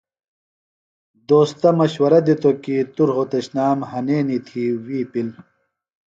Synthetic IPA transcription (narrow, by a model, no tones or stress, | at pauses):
d̪oːst̪ɐmɐɕwɐɾɐd̪it̪okiːt̪uɾɦot̪ɐɕnaːmhɐneːnit̪ʰiːwiːpil